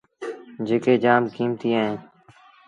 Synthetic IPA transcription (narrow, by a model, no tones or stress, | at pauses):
d͡ʒeːkeːd͡ʒaːmkiːmt̪iːaːɦẽː